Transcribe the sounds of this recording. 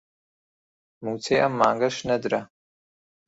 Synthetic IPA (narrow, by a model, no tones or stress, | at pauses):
mut͡sʰejʔamːaːŋɡaʂnɐdra